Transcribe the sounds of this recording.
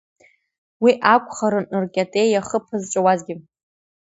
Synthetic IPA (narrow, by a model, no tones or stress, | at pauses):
wiʔakʷʰʼχaɾɨnɨrkʲʼatʼe̞jaχəpʰɨzʈ͡ʂʷʼawazɡʲɪ